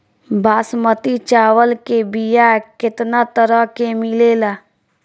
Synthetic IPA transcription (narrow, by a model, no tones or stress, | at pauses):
bʱaːsmət̪it͡ʃaːwəlkebijakɪt̪nat̪əɾəɦkemɪleːlaː